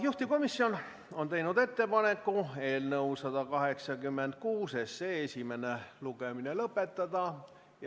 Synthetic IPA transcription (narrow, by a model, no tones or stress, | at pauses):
juht̪iko̞misːio̞n | o̞nt̪e̞jnud̪e̞t̪ːe̞pɑne̞kːue̞ːlnɤwsɑd̪̥ɑkɑɦe̞ksɑkymːe̞nd̪̥̚kuːse̞seːesʲime̞ne̞luɡ̥e̞minelɤpːˑe̞t̪ːɑd̪̥ɑ